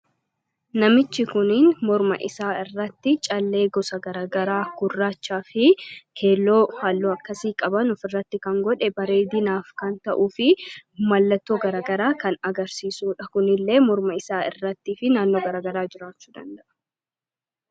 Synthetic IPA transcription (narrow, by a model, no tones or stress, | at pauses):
nɐmɪt͡ʃːɪkʊnɪnmɔɾmɐ̰ʔɪ̰saːɪrːɐt̪ːɪt͡ʃʼɐlːe̞ːɡɔsɐɡɐɾaːɡɐɾaːkʊrːaːt͡ʃːaːfɪkʰe̞ːlːo̞ːhaːlːoːɐkːɐsiːkʼɐbɐnɔfɪrːɐt̪ːɪkɐŋɡɔᶑɛbɐɾe̞ːd̪ɪnaːfkɐnt̪ɐʔuːfɪmɐlːɐt̪ːoːɡɐɾaːɡɐɾaːkɐnɐɡɐɾsiːsuːᶑɐkʊnɪlːe̞ːmɔɾmɐɪsaːɪ̰rːɐt̪ːiːfɪnaːnːo̞ːɡɐɾaːɡɐɾaːd͡ʒɪɾaːt͡ʃːu̥ːd̪ɐ̰nd̪ɐʔɐ̥